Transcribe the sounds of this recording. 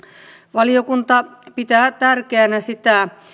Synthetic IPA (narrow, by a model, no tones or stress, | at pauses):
ʋɑliokunt̪ɑpit̪æːt̪ærkeænæsit̪æ